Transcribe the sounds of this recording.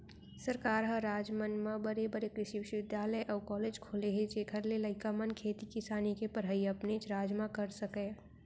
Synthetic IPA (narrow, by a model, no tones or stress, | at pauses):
səɾkaːɾɦə̃ɾaːd͡ʒmənmãbəɾebəɾekɾɪʃiʋɪʃʊʋɪd̪jaːləjʔɔːkɔːleːd͡ʒkʰoːleɦẽd͡ʒeːkʰəɾleləɪkamənkʰeːt̪ikɪsaːnikepəɾɦəiɐpnet͡ʃɾaːd͡ʒmãkəɾsəke